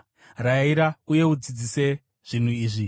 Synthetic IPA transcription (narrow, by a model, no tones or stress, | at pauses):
raiɾauje̞ud͡zid͡zise̞ | ʐ̥in̤uiːʐi